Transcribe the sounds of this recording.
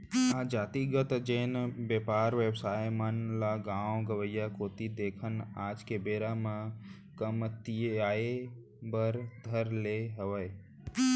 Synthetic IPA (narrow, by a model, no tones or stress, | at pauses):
aːd͡ʒaːt̪iɡət̪d͡ʒeːnbeːpaːɾʋewsaːjmənlaɡãːwõɡəʋəjakoːt̪id̪eːkʰənaːd͡ʒkebeːɾamã | kəmt̪iaːe | bəɾd̪ʱəɾleɦəʋəj